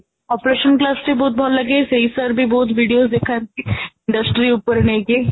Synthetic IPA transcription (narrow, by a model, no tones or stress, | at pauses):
ɔpɾeːʃənklaːsʈebɔːt̪̚bʱɔːllɐɡesɐɦisəɾbʱibɔːt̪ʋiːɖijozd̪ekʰakiɪ̃ɳɖəsʈɾiʊpəɾneɡe